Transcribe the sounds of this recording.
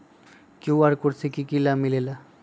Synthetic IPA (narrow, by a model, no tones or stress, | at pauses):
kiwaɾkoɾt͡ɕʰekikilamilela